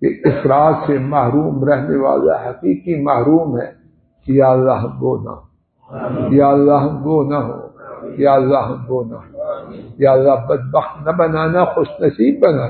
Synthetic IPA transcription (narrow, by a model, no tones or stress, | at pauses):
kḛɪfɾaːt̪semɐɦɾuːmɾɛɦneʋa̰ːla̰ɦɐqiːqimɐɦɾuːmɦɛ̰ː | kijaːlːaɦɐmɡoːna̰ɦoː | jaːɐlːaɦɐmɡoːnaɦo̰ːjaːɐlːaɦɐmɡoːna̰ɦojaːlːaɦbɐd̪̚bɐxt̪nɐbɐnaːnaxʊʃnɐsiːbːɐnaː